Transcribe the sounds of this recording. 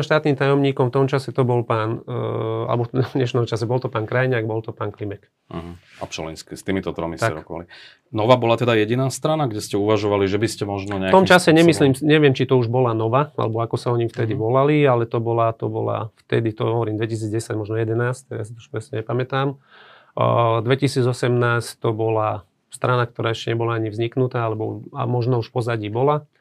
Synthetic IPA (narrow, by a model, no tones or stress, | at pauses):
mʃt̪aːt̪niːmt̪ajɔmɲiːkɔmft̪ɔmt͡ʃasɛt̪ɔbɔlpaːn | a̰lɛ̰bɔfɲɛʃnɔmt͡ʃasɛbɔlt̪ɔpaːnkɾajɲaːɡbɔlt̪ɔpaːnklimɛk̩ | ɦ̩ | a̰pʃɔ̰lḭnskɛst̪iːmit̪ɔt̪ɾɔmist̪aɛɾɔkɔʋa̰li | nɔʋaːbɔlat̪ɛd̪ajɛɟinaːst̪ɾanaɡɟɛscɛuʋaʒɔʋaliʒɛbiscɛmɔʒnɔɲɛaat̪ɔmt͡ʃasɛɲɛmisliːmɲɛʋɪɛmt͡ʃit̪ɔuʒbɔlanɔʋaa̰lɛbɔakɔsaɔɲift̪ɛd̪iʋɔlalialɛt̪ɔbɔlat̪ɔbɔ̰la̰ft̪ɛd̪it̪ɔɦɔʋɔɾiːmd̪ʋɛcis̬iːd͡zɟɛsaɟmɔʒnɔjɛd̪ɛnaːsct̪jaːsit̪ɔu̥ʃpɾɛsɲɛɲɛpamɛt̪aːm | d̪ʋɛcisiːd͡zɔsɛmnaːsct̪ɔbɔla | st̪ɾanak̚t̪ɔɾaːɛʃcɛɲɛbɔlaaɲivzɲiknut̪aːalɛbɔ̰a̰mɔʒnɔuʃfpɔzaɟiːbɔla